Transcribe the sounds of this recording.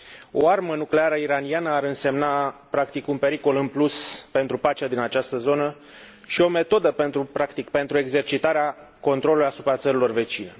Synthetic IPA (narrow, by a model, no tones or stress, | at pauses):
o̞̰armənukle̞aɾəiɾanianəaɾɨnse̞mnapɾakt̪ikunpe̞ɾiko̞lɨnpluspe̞nt̪ɾupat͡ʃad̪inat͡ʃast̪əzo̞nə | ʃio̞me̞t̪o̞d̪əpe̞nt̪ɾupɾakt̪ikpe̞nt̪ɾue̞ɡze̞rt͡ʃit̪aɾea | ko̞nt̪ɾolulijasu̥pɾat̪səɾilo̞rve̞t͡ʃine̞̰